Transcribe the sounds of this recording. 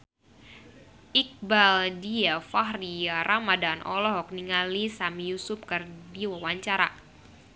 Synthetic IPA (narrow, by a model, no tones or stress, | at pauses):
ʔik̚baldiafaɦriaɾʔamadanʔɔ̰lɔɦɔk̚niŋalisamijusʊp̚kɨrdiwawaɲt͡ʃaɾa̰